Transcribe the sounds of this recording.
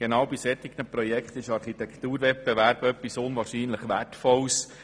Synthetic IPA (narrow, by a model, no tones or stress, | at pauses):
ɡ̥enɑːwbisɛt̪ɪɡnəpɾɔjɛkχt̪ɪʃɑɾχit̪ɛkχt̪uːɾʋɛt̚b̥ɛʋæɾbœpːisʊnʋɑːɾʃiːnləχʋætfɔls